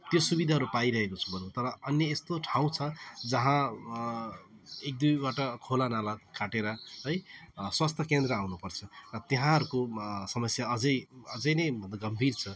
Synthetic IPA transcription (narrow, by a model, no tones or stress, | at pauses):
t̪josubid̪ʱaɦʌɾupaiɾʌɦekot͡sʰu̥bʱʌnt̪ʌɾʌʌnjʌest̪oʈʰaw̃t͡sʰʌd͡zʌɦã | ek̚d̪ujbaʈʌkʰolanalakaʈeɾʌɦʌjswast̪ʰʌkend̪ɾʌawnupʌrt͡sʰʌrʌt̪eɦãɦʌɾukosʌmʌsjaʌd͡zʌjʌd͡zʌjnʌjbʱʌnd̪aɡʌmbʱirt͡sʰʌ